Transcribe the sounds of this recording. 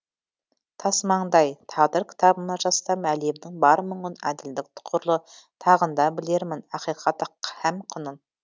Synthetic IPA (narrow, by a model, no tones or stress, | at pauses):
t̪ʰɑsmɑɴd̪ɑjt̪ʰɑʁd̪əɾkʲʰɪ̥t̪ʰɑbənɑʒɑst̪ɑmæle̞md̪ɪŋbɑɾmʊɴʊnæd̪ɪld̪ɪk̚t̪ʰʊ̥qʰʊɾlˠət̪ʰɑʁənd̪ɑbɪle̞ɾmɪnɑqijqʰɑt̪ːəqːhæmqʰʊnən